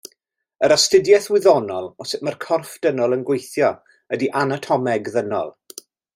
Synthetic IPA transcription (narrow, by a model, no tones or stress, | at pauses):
əɾastɪdjɛθwɪðɔnɔlˠɔsɛmarkʰɔrfd̥ənɔlˠənɡwejθjɔ | ədiʔanatʰɔmɛɡðənɔ̰lˠ